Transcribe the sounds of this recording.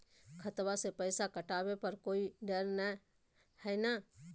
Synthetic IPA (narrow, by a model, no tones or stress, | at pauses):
kʰət̪wasepəːsakəʈaːwepəɾkoːiɖəɾna | hɛːna